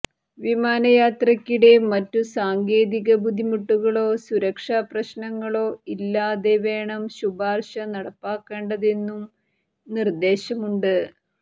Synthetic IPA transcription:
ʋimaːnɐjaːt̪rɐkʲːiɽe̞mɐtːusaːŋɡe̞ːðiɣɐbʱud̪ʱimuʈːuɣɐɭo̞ːsuɾɐkʂaːprɐɕnɐŋːɐɭo̞ːilːaːðeʋe̞ːɳɐmɕubaːrɕɐnɐɽɐpːaːkːe̞ːɳɖɐðe̞nːum | nird̪e̞ːɕɐmuɳɖɨ

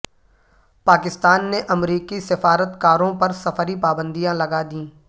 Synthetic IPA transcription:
paːkɪst̪aːnːeʔɐmɾiːkisɪfaːɾət̪kaːɾõpɐɾsɐfəɾipaːbə̃nd̪ijãlɐɡad̪ĩː

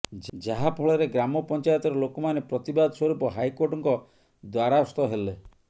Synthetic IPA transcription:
d͡ʒd͡ʒaɦapʰɔɭɔɾeɡɾamɔpɔnt͡ʃajɔt̪ɔɾɔlokɔmanepɾɔt̪ibad̪ʱɔswɔɾupɔɦajkoɾʈɔŋkɔ | d̪waɾaɔst̪ɔɦele

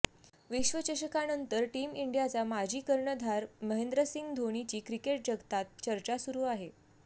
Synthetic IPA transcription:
ʋiɕʋət͡ɕəɕəkanənt̪əɾʈimiɳɖjat͡samad͡ʑʱiːkəɾɳəd̪ʱaɾməɦend̪ɾəsiŋɡd̪ʱoɽ̃it͡ɕiːkɾikeʈ̚d͡ʑəɡt̪at̪̚t͡ɕəɾt͡ɕasuɾuːaɦe

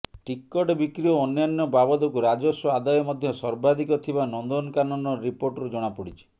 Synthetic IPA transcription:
ʈikːɔʈebikɾiɔːnjanːɔbabɔd̪ɔkuɾad͡ʒɔsɔad̪ajɔmɔd̪ʱjɔsɔɾbad̪ikɔt̪ʰibanɔnd̪ɔnɔkanɔnɔɾipoɾʈɔɾud͡ʒɔɽ̃apɔɽit͡ʃʰi̥

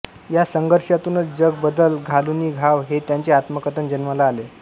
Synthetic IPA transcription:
jasəŋɡəɾʂat̪unət͡sd͡ʑəɡ̚bəd̪əlɡʱaluniːɡʱaʋɦet̪jaɲt͡ɕeat̪məkət̪ənd͡ʑənməlaːle

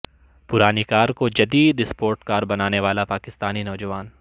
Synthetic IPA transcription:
pʊɾaːnikaːɾkod͡ʒɐd̪iːd̪ɪspoːɾʈkaːɾbɐnaːneʋaːlapaːkɪst̪aːninɔːd͡ʒɐʋaːn

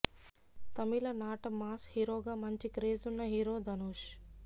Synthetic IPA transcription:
t̪ɐmilɐnaːʈɐmaːshiːɾoːɡaːmɐɲt͡ʃikɾeːzunːɐɦiːɾoːd̪ʱɐnoːʃ

